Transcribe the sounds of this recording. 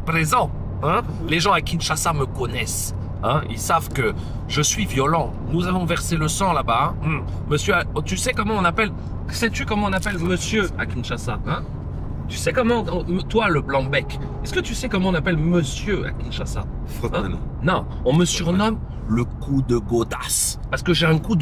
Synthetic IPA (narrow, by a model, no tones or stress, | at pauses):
pχezɑ̃ | ɛ̃ | leʒɑ̃akinʃasaməkɔnɛs | ɛ̃ḭlsavkə | ʒəsɥivjɔlɑ̃ | nuzavɔ̃vɛʁseləsɑ̃labaɛ̃ | məsjøat̪ysɛkɔmɑ̃ɔ̃napɛl | sɛt̪ykɔmɑ̃ɔ̃napɛlməsjøa̰kʲinʃasaɛ̃ | t̪ysɛkɔmɑ̃mt̪waləblɑ̃bɛk | ɛskət̪ysɛkɔmɑ̃ɔ̃napɛlməsjøa̰kʲinʃasa̰ | ɛ̃ | nɔ̃ | ɔ̃məsyʁnɔm | ləkud̪əɡod̪aspaʁsə̥kəʒeɛ̃kud̪